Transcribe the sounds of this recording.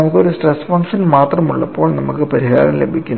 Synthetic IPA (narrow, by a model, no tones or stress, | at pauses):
ɐmukːɨoɾusʈresfɐŋkʂɐnmaːt̪rɐmuɭːɐpːo̞ːɭnɐmukːɨpɐɾiɦa̰ːɾɐmlebʱikʲːun